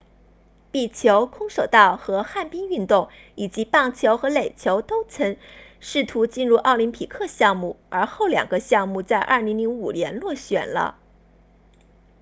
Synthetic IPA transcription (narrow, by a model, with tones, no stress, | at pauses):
pi˥˩t͡ɕʰjo˧˥ʊkʰʊ˥ŋʂo˨˩ʊt̪ɑ˥˩ʊxɤ˧˥xa˥˩npi˥ŋy˥˧nt̪ʊ˥˩ŋ | i˨˩t͡ɕi˧˥pɑ˥˩ŋt͡ɕʰjo˧˥ʊxɤ˧˥le˨˩ɪt͡ɕʰjo˧˥ʊt̪o˥ʊt͡sʰɤ˧˥ŋʂɻ̩˥˩t̪ʰu˧˥t͡ɕi˥˧nɻu˥˧ʔɑ˥˩ʊli˧˥npʰi˨˩kʰɤ˥˧ɕjɑ˥˧ŋmu˥˩ə˞˧˥xo˥˩ʊljɑ̰˨˩ŋɡə˦ɕjɑ˥˧ŋmu˥˧t͡sa˥˧ɪʔɐ̰˥˩li˧˥ŋli˧˥ŋu˨˩ljɛ˧˥nlwɔ˥˩ɕɥɛ̰˨˩nlə̰˦